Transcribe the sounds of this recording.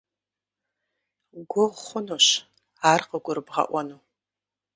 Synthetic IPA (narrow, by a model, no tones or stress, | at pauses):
ɡʷʊʁχʷʊnuɕ | aːrqəɡʷʊɾɨbʁɐ̰ʔʷɐnuː